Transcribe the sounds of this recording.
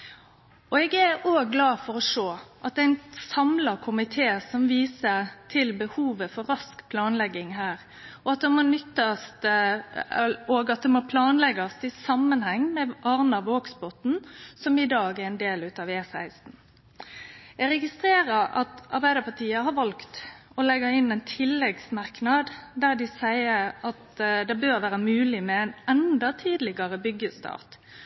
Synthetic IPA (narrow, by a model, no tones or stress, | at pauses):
ɔɛɡæɾoːɡːlɑːfɔɾɔʂoːʔɑt̪̚d̪ɛɪnsɑmlɑkʰʊmɪt̪ʰeːsɔmʋiːsət̪ʰɪlbəhuːʋəfɔɾɾɑskpʰlɑːnlɛɡːɪŋɦæːɾ | ɔɑt̪̚d̪ɛmoːnʏt̪ːɑst̪ | oːɡɑt̪̚d̪ɛmoːpʰlɑːnlɛɡɑst̪ɪsɑmːənhɛŋːmɛʔɑɾnɑʋoːɡsbɔt̪n̩sɔmɪd̪ɑːɡæʁɪnd̪eːlʉːt̪ɑʋeːsæɪst̪n̩ | jɛɡʁɛɡɪst̪ʁeːɾəɾɑ̰t̪ɑ̰ɾbæɪd̪əpɑt̪ʰiːəhɑɾʋɑlkt̪ɔlɛɡəɪnːɛɪnt̪ʰɪlːɛɡsmɑʁknɑd̪d̪æʁd̪ɪsæɪəɾɑt̪d̪ɛbøːɾʋæːɾəmʉːlɪmɛæɪnɛnd̪ɑt̪ʰiːd̪lɪɡɑʁəbʏɡːəst̪ʰɑ̰ːʁt̪